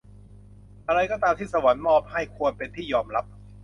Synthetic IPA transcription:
ʔa˧ɾa˧jkɔː˥˩t̪aː˧mt̪iː˥˩sa˧wa˩˦nmɔː˥˩p̚ha˥˩jkʰu˧ənpe˧nt̪ʰiː˥˩jɔː˧mɾa˦˥p̚

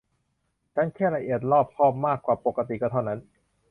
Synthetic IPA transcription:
tʰa˥˩nkʰɛː˥˩la˧ʔi˨˩ət̪̚ɾɔː˥˩p̚pʰɔː˥˩p̚maː˥˩kːwaː˨˩po˨˩kːa˧t̪i˨˩kaː˥˩t̪ʰa˥˩na˦˥n

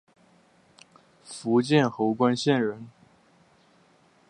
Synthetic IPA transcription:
fu˧˥t͡ɕjɛ˥˩nxo˧˥ʊkwa˥nɕjɛ˥˩nɻə˧˥n

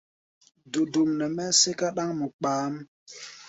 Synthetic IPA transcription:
du˨du˨mnɛ˨mɛ˦se˦ka˦ɗa˦ŋmu˨k͡paː˨˦m˦

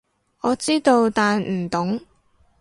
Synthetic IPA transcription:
ŋɔː˨˧t͡siː˥t̪o˧wt̪aː˨nm̩˨˩t̪ʊ˨˥ŋ

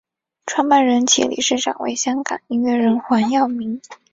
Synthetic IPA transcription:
ʈ͡ʂʰwa˥ŋpa˥˩nɻə˧˥nt͡ɕʰḭ˧˥lḭ˨˩ʂɻ̩˥˩ʈ͡ʂɑ̰˨˩ŋwḛ˧˥ɪɕjɑ˥ŋkɑ̰˨˩˦ni˥nɥɛ˥˩ɻə˧˥nxwa˧˥njɑ˥˩ʊmi˧˥ŋ

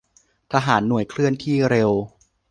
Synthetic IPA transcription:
t̪ʰaː˧ɦaː˩˦nːu˩˦əjkʰlɯ˥˩ənt̪ʰiː˥˩ɾe˧w

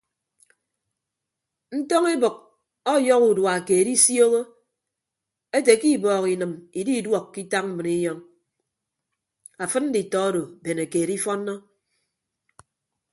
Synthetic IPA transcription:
n̩˦tɔ˦ŋi˦bɨ˨k̚ | ɔ˦jɔ˦ku˨dwa˨ke˨ɾi˦sjo˦ɣo˦ | e˦te˨ki˦˨bɔː˨ki˨nɨ˨mi˨di˦i˨dwɔ˨kːi˦ta˦k̚m̩˦mɨ˨ni˦jɔ˦ŋ | a˨fɨ˦tn̩˦di˨tɔ˨˦do˨be˨ne˨ke˨ɾi˦fɔ˦nːɔ˦

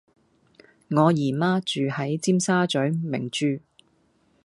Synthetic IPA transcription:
ŋɔː˨˧jiː˨˩maː˥t͡ʃyː˨hɐ˨˥jt͡siː˥msaː˥t͡ʃɵ˨˥ɥmɪ̰˨˩ŋt͡ʃyː˧

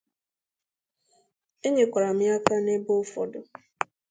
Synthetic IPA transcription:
e˦ɲe˨kʷa˨ɾa˨mɪ˦a˦ka˦ne˦bo˦fɔ̰˨dʊ˨

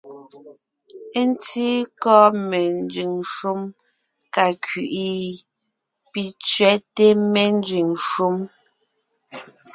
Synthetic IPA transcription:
e˦n˦ti˦kɔ˦me˨n˦d͡ʒʉ˨ŋʃu˦m | ka˨kɥi˨ʔi˦ | pi˨t͡sɥɛ˦te˦me˨n˦d͡ʒi˨ŋʃu˦m

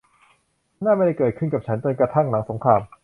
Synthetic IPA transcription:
naː˥˩ma˥˩da˥˩jkɤː˨˩t̪̚kʰɯ˥˩nka˨˩t͡ɕʰa˦˥nt͡ɕo˧nkɾa˧t̪ʰa˥˩ŋna˩˦ŋso˩˦ŋkʰɾaː˧m

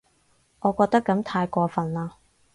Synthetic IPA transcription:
ŋɔː˨˧kɔː˧k̚t̪ɐ˥kːɐ˨˥mt̪ʰaː˧jkʷɔː˧fɐ˨˩nlaː˧

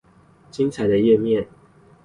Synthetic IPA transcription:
t͡ɕi˦nt͡sʰa˨˩˦ɪd̪ə˧jɛ˥˧mjɛ˥˨n

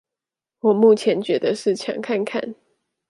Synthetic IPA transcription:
wɔ˨˩mu˥˩t͡ɕʰjɛ˧˦nt͡ɕɥɛ˨˦d̪ə˧ʂɻ̩˥˩t͡ɕʰjɑ̰˨˦ŋkʰa˥˧nkʰa̰˥˨n

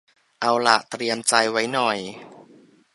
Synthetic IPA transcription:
ʔa˧wla˨˩ʔt̪ɾi˧əmt͡ɕa˧jwa˦˥jnɔ˨˩j

